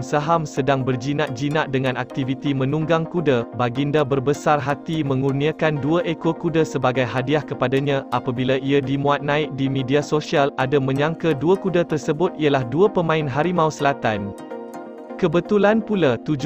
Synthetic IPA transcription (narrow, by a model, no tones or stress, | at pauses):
saɦamsədaŋbərd͡ʒinaʔ̚d͡ʒinaʔdəŋãnʔak̚t̪ivit̪imə̃nũŋɡaŋkudabaɡindabərbəsarɦat̪imə̃ŋuniakanduəʔekokudasəbaɡajɦadiahkəpadaɲãʔapabilaʔiadimũat̪̚nãɪk̚dimẽdiasosialadamə̃ɲaŋkəduəkudat̪ərsəbʊt̪̚ialahduəpəmãɪnɦaɾimawsəlat̪an | kəbət̪ulanpulat̪ud͡ʒ